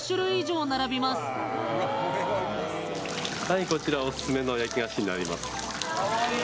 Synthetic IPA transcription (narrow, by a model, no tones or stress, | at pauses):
ɕɨɾɯ̟iʑo̞ːnaɾabʲimasɨ̥ | haiko̞t͡ɕiɾaosɨ̥sɨme̞no̞jakʲiɡaɕiɲ̟ina̰ɾʲima̰sɨ̥